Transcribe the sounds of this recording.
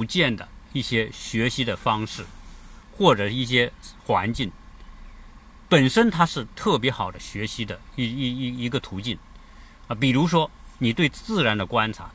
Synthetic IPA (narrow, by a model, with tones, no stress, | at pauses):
t͡ɕjɛ˥˩nd̪ə̰˩i˥˩ɕjɛ˥ɕɥɛ˧˥ɕi˥d̪ə˨fɑ˥ŋʂɻ̩˥˩ | xwɔ˥˩ʈ͡ʂɤ˨˩i˥˩ɕ̬jɛ˥xwa̰˧˥nt͡ɕi˥˩n | pə˨˩nʂə˥nt̪ʰa˥ʂɻ̩˥˧t̪ʰɤ˥˩p̬jɛ˧˥xɑ˨˩ʊd̪ə˦ɕɥɛ˧˥ɕi˥d̪ə˨i˥˧˥i˧˥ɡə˧t̪ʰu˧˥t͡ɕi˥˩n | ə˧p̬i˨˩ɻu˧˥ʂ̬wɔ˥ni˨˩t̪we˥˧ɪt͡sɹ̩˥˩ɻa˧˥nd̪ə˨kwa˥nʈ͡ʂʰa̰˧˥